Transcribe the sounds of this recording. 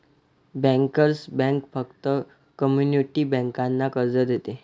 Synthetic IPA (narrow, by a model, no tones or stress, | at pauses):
bɛ̃ŋkəɾsbɛ̃ŋkfəkt̪ə | kəmjuniʈibɛ̃ŋkãnːakəɾd͡zəd̪et̪e